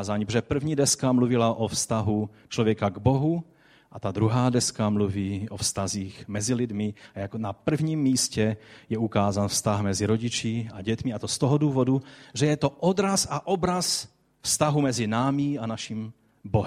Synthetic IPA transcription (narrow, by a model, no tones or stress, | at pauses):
zaɲipʒɛpr̩vɲiːdɛskamluvɪlaʔofst̪aɦu | t͡ʃlovjɛkaɡboɦu | ʔat̪ad̪ɾuɦaːdɛskamluviːʔofst̪aziːxmɛzilɪdmɪjaknapr̩vɲiːmːiːscɛjɛukaːzanfst̪axmɛziɾoɟɪt͡ʃiaɟɛt̪mɪat̪ost̪oɦoduːvo̞duʒɛjɛt̪oʔod̪ɾasaʔobɾas | fst̪aɦumɛzɪnaːmɪanaʃim | boɦɛ